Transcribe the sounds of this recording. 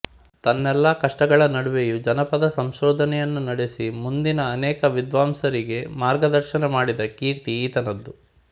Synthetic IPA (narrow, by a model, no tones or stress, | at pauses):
t̪ɐnːɛlːɐkɐʂʈɐɡɐɭɐnɐɽuʋejud͡ʒɐnɐpɐd̪ɐsɐmʃɔːd̪ʱɐnɛjɐnːunɐɽesimund̪inɐːnɛːkɐʋid̪ʋaːmsɐɾiɡe̞maːɾɡɐd̪ɐɾʃɐnɐmaːɽid̪ɐkiːɾt̪iːt̪ɐnɐd̪ːu